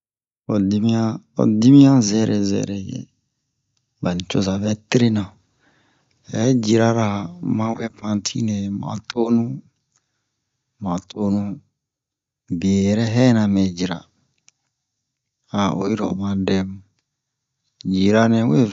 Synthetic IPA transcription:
ɔ˨di˦mĩ˦a˦ɔ̰˨di˦mĩ˦ã˦zɛ˦ɾɛ˨zɛ̰˨ɾɛ˨jɛ̰˨ | ba˨nĩ˨t͡ʃo˦za˨vɛ˦tɾe˦nã˨ | ɛ˨˦d͡ʒi˨ɾa˦ɾa˨mã˦wɛ˦pã˨n˦tʰḭ˦nɛ̃˨mã̰˨tʰo˦nũ˦ | mã˨tʰo˦nũ˦ | be˨ɾɛ˦ɦɛ˦nã˨mɛ˨d͡ʒi˨ɾa̰˨ | a˨o̰˨i˦ɾɔ̰˨mã˦dɛ˦m | d͡ʒi˨ɾa˦nɛ̃˨˦we˦

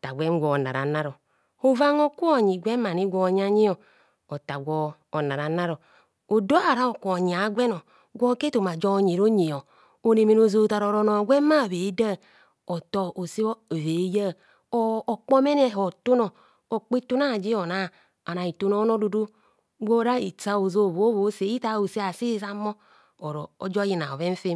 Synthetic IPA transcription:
ta˨ɡʷɛ˦n˦ɡʷɔ˨na̰˨ɾa̰˨˦na˦ɾo˨ | o˦va˦ŋo˦ku˦o˨ɲi˨ɡʷɛ˦ma˨ni˦ɡʷɔ˨ɲ˦a˦ɲi˦ɔ˨ | o˨ta˨ɡʷɔː˨na˨ɾa˨˦na˦ɾo˨ | o˨do˦ha˨ɾa˦o˨kːɲi˨a˨˦ɡʷɛ˦no˨ | ɡʷɔ˦ke˦to˨ma˨d͡ʒɔ˦˨ɲe˨ɾo˦ɲe˨o˨ | o˨ne˨me˨no˨zoː˨ta˨ɾo˨ɾo˦no˨ɡʷɛ˦ma˦˨βe˨˦da˦˨ | o˨to˨ʔo˨si˦o˦˨ve˨˦ja˦˨ | oː˦˨k͡po˦me˦ne˦˨ɦo˨to˦no˨ | o˨k͡pi˦to˦na˦˨d͡ʒi˦o˨na˦˨ | a˨na˨i˨to˦no˦no˦du˨do˦ | ɡʷo˦ɾa˦ḭ˨t͡sa˦o˨zo˦˨βo˦βo˨˦se˨˦i˦ta˦˨o˨se˦a˨si˦za˦mo˦ | o˨ɾo̰˨o̰˨d͡ʒo˦ji˨na̰˨o˨βe˦fe˦

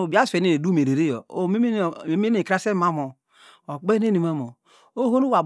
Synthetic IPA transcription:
o˨ba˦se˨ne˨e˨du˦me˨ɾe˨ɾe˦jo̰˨o˦˨me˦˨e˨˦me˦n˦e˨kɾa˦se˦ma˦mo˨ | o˨k͡pe˦ne˦ni˨ma˦mo˨ | o˦ho˦nu˦wa˨b

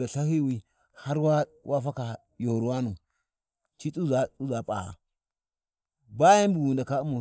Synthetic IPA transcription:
a˨ɬa˦hi˦wi˦ | ha˦ɾwa˦wʔa˦fa˦ka˨ | jo˨ɾwa˦nu˨ | t͡ʃi˦t͡su˦za˨t͡su˦za˨pʼa̰˨ha̰˨ | ba˦ja˦n˦bu˨ɡu˨nda˨ka˦u˦mu˨

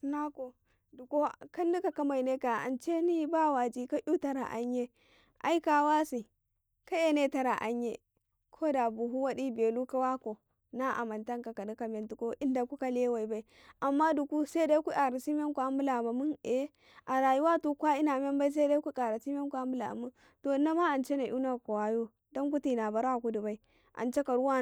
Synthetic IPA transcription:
na˦ko˨ | du˨ko˦ka˦n˦di˦ka˨ka˦ma˨ne˦ka˨a̰˨nt͡ʃe˦ni˦ba˦˨wa˨d͡ʒi˦ka˦ʔu˦ta˦ɾa̰˨ʔa̰˨ɲː˦e˦ | ʔa̰˦i˦ka˨wa˦si˨ | ka˦e˨ne˦ta˦ɾa˨ʔa̰˨ɲje˦ | kʰo˦da˨bu˨ɦu˦wa˦ɗi˦be˨lu˦ka˦wa˦ko˨ | na˦ʔa̰˨ma˨nta˦ŋka˨ka˨ni˦ka˨me˨ntu˨ko˦ʔi˦nda˨ku˦ka˦le˦wa˨i˨ba˦i˦ | ʔa˨mːa˦du˨ku˦se˦da˦kʷu˦kʼa˨ɾa˨si˦m˦e˦ŋku˨a˦mbu˦la˨ma˨mu˦e˦ | ʔa˨ɾa˨ju˦wa˦tu˨kʷa˦i˦na˨me˦mba˦i˦s̬e˦da˦ku˦kʼa˨ɾa˨si˦m˦e˦ku˨a˦mbu˦la̰˨mu˦n | to˨˦na˦ma˦a˨nt͡ʃe˦na˨ʔu˦na˨ko˨wa˨jo˦ | do˦ŋku˦ti˨na˨ba˨ɾa˦˨ku˦du˨ba˦i˦ | ʔa̰˨nt͡ʃe˦ka˨ɾu˦wa˦

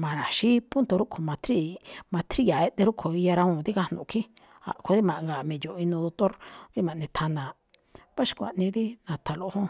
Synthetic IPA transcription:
mã˨ɾa˨ʃi˦pu˦nt̪o˧ɾu˦kʰo˨mã˨˧t̪ʰɾi˦˧mã˧t̪ʰɾi˦ja˨e˧t̪e˧ɾu˦kʰo˨i˧ja˧ɾa˧ũ˧˨t̪i˦ka˧nṵ̃˨˧kʰi˦ | a̰˨kʰo˧ði˦mã˨ʔŋɡa˨mĩ˨jo˨ʔĩ˧nũ˧ðo˧t̪o˦ɾd̪i˦mã˨nẽ˧t̪ʰa˧nã˨ | βa˦ʃi̥˧kʷa̰˨ʔnĩ˧ði˦nã˨t̪ʰa˨lo˧hõ˦

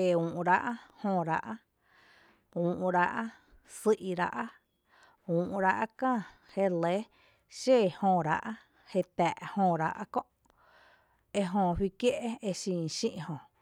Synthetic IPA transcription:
e˧ũː˨ʔɾa˧ʔa˦hõ˧˨ɾa˧ʔa˦ | ũː˨ʔũ˧ɾa˧ʔa˦ | sɨ˧ʔi˧ɾa̰˧ʔa˦ | ũː˨ʔɾa˧ʔa˦kãː˦˧˨ | he˧le˦ | ʃe˦˧˨hõ˧ɾa̰˧ʔa˦ | he˧t̪æ˨ʔhõ˧ɾa̰˧ʔa̰˦kõ˦ʔ | e˧ɦõ˧ɸwi˦kje˦ʔe˦e˧ʃĩː˧˨ʃḭ̃˦˧ʔhõ˧

